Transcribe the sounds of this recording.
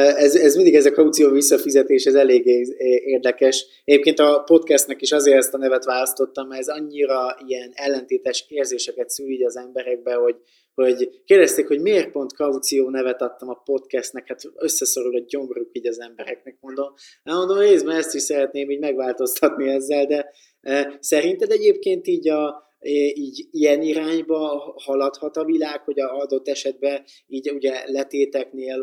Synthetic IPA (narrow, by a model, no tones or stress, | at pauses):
ɛzɛzmind̪iɡɛzɒkɒut̪sijoːvisːɒfizɛt̪eːʃɛzɛleːɡeːeːrd̪ɛkɛʃ | ɛɟeːp̚keːnt̪ɒpo̞t̪kɛst̪nɛkiʃɒzeːɾɛst̪ɒnɛvɛt̪ʋaːlɒst̪o̞t̪ːɒmɛzɒɲːiɾɒiɛnɛlːɛnt̪eːt̪aʃeːrzeːʃɛkɛt̪syːliɟɒzɛmbɛɾɛɡ̚bɛɦo̞ɟ | ho̞ɟkeːrd̪ɛst̪eːkho̞ɟmiːrt̪̚po̞nt̪kɒut̪sijoːnɛvɛt̪ɒt̪ːɒmɒpo̞t̪kɛst̪nɛkhat̪øsːɛso̞ɾulɛɟo̞ŋɡrukiːɟɒzɛmbɛɾɛknɛk̚mo̞nd̪o̞m | ɛmo̞nd̪omɾeːzbɛnɛst̪iʃsɛɾɛt̪neːmiːɟmɛɡvaːlt̪o̞st̪ɒt̪niɛzːɛld̪ɛ | sɛɾint̪ɛd̪ɛɟeːp̚keːnt̪iːɟɒ | iːɟijɛniɾaːɲbɒhɒlɒt̪hɒt̪ɒvilaːkho̞ɟɒɒd̪o̞t̪ːɛʃɛd̪̚bɛ | iːɟuɟɛlɛt̪eːt̪ɛkneːl